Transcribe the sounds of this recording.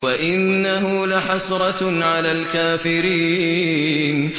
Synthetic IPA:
waʔɪnːaɦʊlaħɑsˤɾˤɑʕalaːlkaːfɪɾiː | n

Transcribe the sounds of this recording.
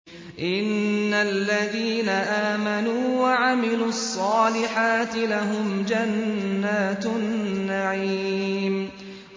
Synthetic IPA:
ʔɪnːalːaðiːnaʔaːmanuːwaʕamɪluːɑsˤːɑːlɪħaːt̪ɪlaɦʊmd͡ʒanːaːt̪nːaʕiːm

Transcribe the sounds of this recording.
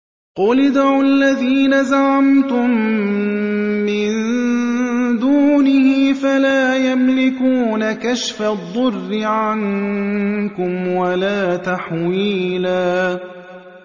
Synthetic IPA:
qʊlɪd̪ʕʊlːaðiːnazaʕamt̪ʊm | ɪn | d̪uːnɪhɪfalaːjamlɪkuːnakaʃfad̪ˤːʊrːɪʕan | kʊmwalaːt̪aħwiːlaː

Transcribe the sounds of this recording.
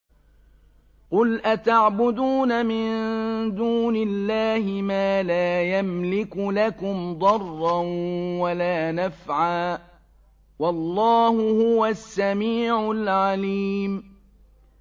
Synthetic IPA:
qʊlʔat̪aʕbʊd̪uːnamɪnd̪uːnɪlːaːhɪmaːlaːjamlɪkʊlakʊmd̪ˤɑrˤːɑnwalaːnafʕaː | wɑlˤːɑːhʊhʊwasːamiːʕʊlʕaliːm

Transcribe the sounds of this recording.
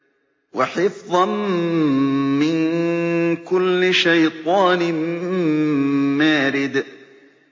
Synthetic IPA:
waħɪfðˤɑn | mɪn | kʊlːɪʃajt̪ˤɑːnɪm | maːɾɪd̪

